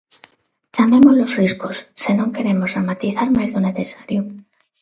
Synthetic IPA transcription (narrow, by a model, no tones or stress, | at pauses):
t͡ʃame̞mo̞zlo̞sriskosːenoŋke̞ɾe̞mosamat̪iθaɾmazðune̞θe̞saɾju